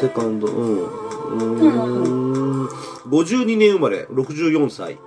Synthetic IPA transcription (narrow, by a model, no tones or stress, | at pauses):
sekand̪o̰ʔɯ̃ɯ̃ | ɡod͡ʑɯɲineɯmaɾe̞̰ɾokʰɯd͡ʑɯjoŋsʰa̰ḭ